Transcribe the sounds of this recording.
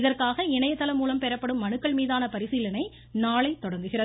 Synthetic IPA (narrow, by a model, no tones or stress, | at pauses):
ɪðɐrkaːɣɐɪɳɐjɐt̪ːɐlɐmːuːlɐmpɛɾɐpːɐɽɯmːɐɳɯkːɐɭmiːðaːnɐpɐɾɪsiːlɐnɐɪ | naːɭɐɪt̪ːɔɽɐɾnɡ̪ɯɣɪrɐ